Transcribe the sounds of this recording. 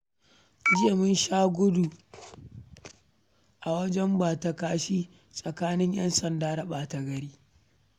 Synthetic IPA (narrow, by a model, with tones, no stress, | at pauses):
d͡ʒɪ˦e˨mʊ˦nʃaː˦ɡʷʊ˦du˨ | ʔa˨wɐ˦d͡ʒɛ˦mbaː˨ta˨kaː˦ʃiː˦ | sʼɐ˨kaː˦nɪ˦ɲjɐ̰˦nsɐ˨ndaː˦da˨ɓaː˨ta˨ɡɐ˨ɽiː˦